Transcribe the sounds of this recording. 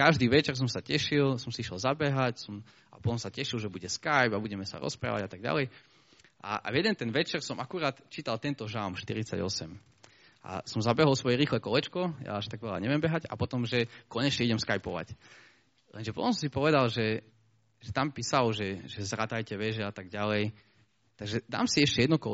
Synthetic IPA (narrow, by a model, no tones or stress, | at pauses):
kaʒd̪iːʋɛt͡ʃɛrs̬ɔmsacɛʃilsɔmsiiʃɛlzabɛɦacsɔm | apɔt̪ɔ̃msacɛʃilˠʒɛbuɟɛskajbabuɟɛmɛsa̰ɾɔ̰spɾa̰ːʋa̰ɟat̪aɡ̚ɟa̰lɛj | ʔa̰jɛd̪ɛnt̪ɛnʋɛt͡ʃɛrsɔmʔakuɾaːt̪t͡ʃiːt̪alˠt̪ɛnt̪ɔʒamʃt̪ḭɾit͡sa̰ɟɔ̰sɛm | ʔa̰sɔmzabɛɦɔlˠsʋɔjɛɾiːxlɛkɔlɛt͡ʃkɔja̰aʃt̪aɡʋɛla̰ɲɛʋɪjɛmbɛɦaɟa̰pɔt̪ɔmʒɛkɔɲɛt͡ʃɲɛiɟɛmskajpɔʋa̰c | lɛnʒɛpɔt̪ɔ̃msɔ̃msipɔʋɛd̪alʒɛ | ʒɛt̪ampiːsalʒɛʒɛzɾat̪ajcɛʋɛʒɛat̪aɡɟalɛj | t̪aɡʒɛd̪a̰ːmsiɛʃcɛjɛd̪nɔkɔ